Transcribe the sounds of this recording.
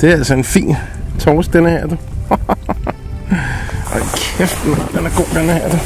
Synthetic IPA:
d̥e̝æælsɒe̝nfḭːn | t͡sʰɒːsd̥enəhæɐd̥ə | ʔɑkʰefd̥n̩ɑd̥enæɡ̥o̝̰ːd̥enəhæɐd̥ə

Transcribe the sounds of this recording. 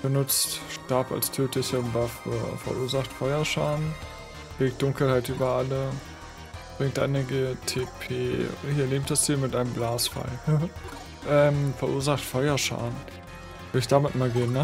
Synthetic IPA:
b̥ənʊt͡stʃtaɐpa̰lstʰøːtɪsɪɐnvaffɛ̰ɐʔuːɐzaχtfɔʏɐʃaːn | leːk̚t̚d̥ʊŋkl̩haɪtʔyːbɐʔalə | b̥ʁɪŋtʔa̰ɪnəɡətʰeːpʰḛːhiːɐleːmtd̥asd̥iːɐmɪtʔaɪnəmblaːsfa̰ɪ | ʔɛːmfɛɐʔuːɐzaχtfɔʏɐʃa̰ːn | vɪlɪçd̥amɪtmaːlɡeːənːə

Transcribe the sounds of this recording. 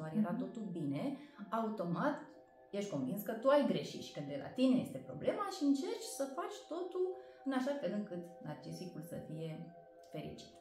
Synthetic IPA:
aɾeɾat̪o̞t̪ulbine̞aut̪o̞mat̪ | jeʃt̪ʲko̞nvinskət̪uajɡɾe̞ʃit̪ʃi̥kəd̪e̞lʔa̰t̪ine̞je̞st̪e̞pɾo̞ble̞maʃiɨnt͡ʃe̞rt͡ʃʲsəfat͡ʃʲt̪o̞t̪ul | ɨnaʃakəd̪ɨŋkɨt̪nart͡ʃisikulsə̰fije̞ | fe̞ɾḭt͡ʃi̥t̪

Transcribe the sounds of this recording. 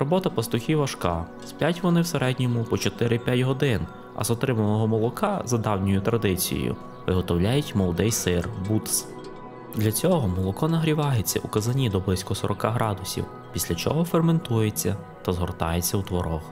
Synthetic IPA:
ɾɔbɔt̪ɐpɐst̪ʊxʲiʋɐʃkɑ | spʲjʲatʲʋɔnɪwseɾɛdʲnʲɔmʊpɔt͡ʃɔt̪ɪɾɪpʲjatʲɦɔd̪ɪn | ɐ̰zɔt̪ɾɪmɐnɔɦɔmɔlˠɔkɑzɐd̪ɑwnʲɔjʊt̪ɾɐd̪ɪt͡sʲḭj̰jʊ̰ | ʋɪɦɔt̪ɔwlʲajʊtʲmɔlˠd̪ɛjsɪrbut̪s | d̪lʲɐt͡sʲɔɦɔmɔlˠɔkɔnɐɦɾʲiʋɑɦet͡sʲːɐ̰ʔukɐzɐnʲid̪ɔblˠɪsʲkɔsɔɾʔɔkɑɦɾɑd̪ʊsʲḭw | pʲisʲlʲɐt͡ʃɔ̰ɦɔferme̞nt̪ujet͡sʲːɐ | t̪ɐzɦɔrt̪ɑjet͡sʲːɐwt̪ʋɔɾɔx

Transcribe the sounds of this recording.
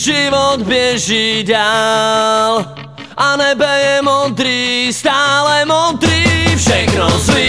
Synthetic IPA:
ʒiʋɔd̪bɪɛʒida | l | anɛbɛjɛmɔd̪ɾiːst̪aːlɛmɔd̪ɾiːfʃɛknɔzʋi

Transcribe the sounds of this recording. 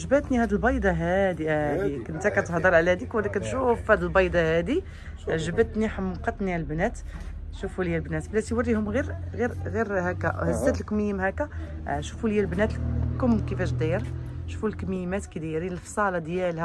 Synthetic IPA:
ʒəbæt̪nihæd̪əlbɑjd̪ˤɑɦæd̪iæd̪ikənt̪ækæt̪hd̪ˤəɾˤʕlæd̪ikwæd̪ækænt̪ʃufhæd̪əlbɑjd̪ˤɑhæd̪i | ʒəbət̪niħəmqɑt̪ˤːniʕalbnæt̪ʃufuljːælbnæt̪blæsiwərːihʊmɣiɾɣiɾɣiɾhækːæhæzæt̪lkməjːəmhækæʃufuljælbnæt̪lkʊmkəfæʃd̪æjəɾʃu̥fulkmijːmæt̪kəd̪iɾilfsˤɑlɑd̪jælhæ

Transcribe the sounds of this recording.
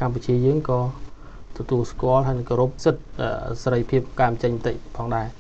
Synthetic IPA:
kamput͡ɕiəjəːŋkɑː | t̪ɔt̪uəlskŏəlɦaəjnɨŋkoɾup̚sɨt̪̚ʔəseɾəjpʰiəp̚kaːmt͡ɕəɲmət̪əc̚pʰɑːŋɗaɛ

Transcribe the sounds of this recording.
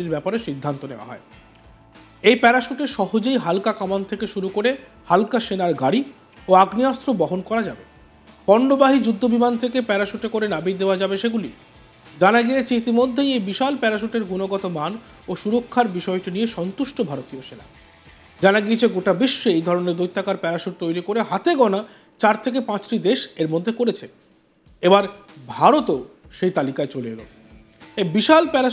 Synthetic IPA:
iɾbɛpaɾeʃid̪ʱːant̪oneoa̰ɦɔ̰e | ejpɛɾaʃuʈeʃɔɦod͡ʑejɦalkakamant̪ʰekeʃuɾukoɾe | halkaʃenaɾɡaɽi | oaɡniast̪ɾobɔɦonkɔɾad͡ʑabe | pɔɳɖobaɦid͡ʑud̪ʱːobimant̪ʰekepɛɾaʃuʈekoɾenabid̪eoad͡ʑabeʃeɡuli | d͡ʑanaɡijet͡ɕʰeit̪imod̪ʱːejejbiʃalpɛɾaʃ̬uʈeɾɡunoɡɔt̪oman | oʃuɾokʰːaɾbiʃɔeʈinijeʃɔnt̪uʃʈobʱaɾot̪ioʃela̰ | d͡ʑanaɡiet͡ɕʰeɡoʈabeʃːeejd̪ʱɔɾoneɾd̪ojt̪ʰːakaɾpɛɾaʃuʈ̚t̪ojɾikoɾeɦat̪eɡɔna | t͡ɕaɾt̪ʰek̬epãt͡ɕʈid̪eʃeɾmod̪ʱːekoɾet͡ɕʰe | ebaɾbʱaɾot̪oʃejt̪alikaet͡ɕoleḛlo̰ | ebiʃalpɛɾa

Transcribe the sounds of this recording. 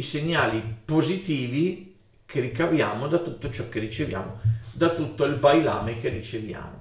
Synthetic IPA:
iseɲːaːlipozit̪iːvi | kʰerikavja̰ːmod̪at̪ut̪ːot͡ʃɔkːerit͡ʃevja̰ːmod̪at̪ːut̪ːoilbajla̰ːmek̟erːit͡ʃevja̰ːmo

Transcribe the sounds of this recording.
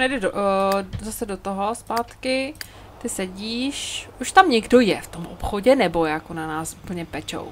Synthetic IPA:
nɛjdɛdozasɛdot̪oɦo̞spaːt̪kɪ | t̪ɪsɛɟiːʃʔuʃt̪amɲɛɡdo̞jɛft̪o̞mʔo̰pxo̞ɟɛnɛbo̞jakonanaːsʔupl̩ɲɛpɛt͡ʃo̰w

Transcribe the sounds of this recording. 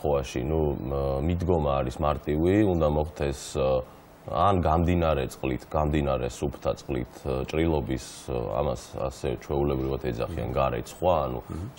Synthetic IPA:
ɛaʃḭnumid̪ɡɔmaːɾismaɾt̪ʼiviund̪amɔχt̪ʰɛs | anɡamd̪inaɾɛt̪sʼqʼlit̪ʰɡ̥amd̪inaɾɛsupʰt̪ʰat̪sʼqʼlḭt̪ʰt͡ʃʼɾilˠɔbisa̰masa̰sɛt͡ʃʰwɛulɛbɾivat̪ʰɛd̪za̰χia̰nɡaɾɛ̰t̪sχwaːnṵ

